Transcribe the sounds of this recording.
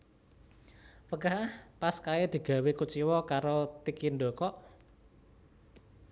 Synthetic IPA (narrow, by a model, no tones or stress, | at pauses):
pəɡaɦhpaskaɛd̪̥i̤ɡ̥ä̤wekut͡ʃiwɔkaɾot̪ikindo̤kɔʔ